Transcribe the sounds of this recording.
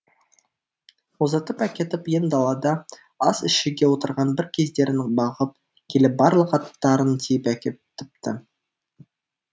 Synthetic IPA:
wozɑt̪əpækʲe̞t̪ɪpjend̪ɑlˠɑd̪ɑ | ɑsɪʃɪɡʲe̞wo̞t̪əɾʁɑnbɪɾkʲʰe̞zd̪e̞ɾɪnbɑʁəp | kʲʰe̞lɪp̚bɑɾlˠəqɑt̪ːɑɾənt̪ʰejɪpækʲet̪ɪ̥p̚t̪ɪ

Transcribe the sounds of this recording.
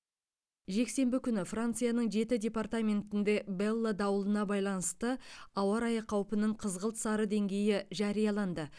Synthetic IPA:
ʒe̞kse̞mbɪkʲʏnɪfrant̪sɨjanəɴʒe̞t̪ɪdʲe̞part̪amʲe̞nt̪ɪnd̪e̞belˠːəd̪ɑwəlˠənɑbɑjlˠɑnəst̪əɑwɑɾɑjəqʰɑwpənəɴqʰəzʁəlˠt̪sɑɾəd̪e̞ŋɡʲe̞jɪʒɑɾijɑlˠɑnd̪ə

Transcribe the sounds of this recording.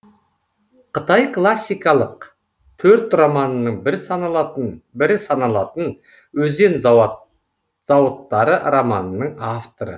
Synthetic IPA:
qʰət̪ɑjkʰlˠasːijkɑlˠəq | t̪ʰɵɾt̪romɑnənəɴbɪɾsɑnɑbɪɾɪsɑnɑlˠɑt̪ən | wɵze̞n | z̥ɑwət̪ːɑɾəɾomɑnənəɴɑft̪oɾə̰

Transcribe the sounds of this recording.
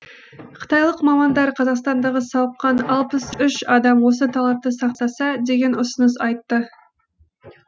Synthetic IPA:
qʰə̥t̪ɑjlˠəqmɑmɑnd̪ɑɾqʰɑzɑqst̪ɑnd̪ɑʁəsɑwəqqːɑnɑlˠpəsʏʃɑd̪ɑmwo̞s̬ət̪ʰɑlˠɑp̚t̪əsɑqt̪ɑsɑd̪e̞ɡʲe̞nʊsənəsɑjt̪ːə

